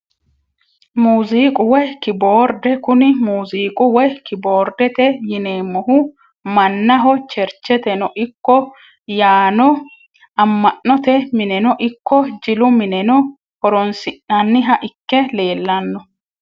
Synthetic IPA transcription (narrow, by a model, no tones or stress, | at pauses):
muːziːkʼʊwɛkɪboːɾd̪ɛkʊnɪmuːziːkʼʊwɛkɪbo̞ːɾd̪ɛt̪ɛjɪneːmːɔhʊ | mɐnːɐɦɔt͡ʃɛɾt͡ʃːɛt̪ɛnɔʔɪkːɔ | jaːnɔ | ɐmːɐʔːɔt̪ɛmɪnɛnɔʔɪkːɔd͡ʒɪlʊmɪnɛnɔ | hɔɾɔnsɪʔːɐnːɪɦɐʔɪkːɛle̞ːlːɐnːɔ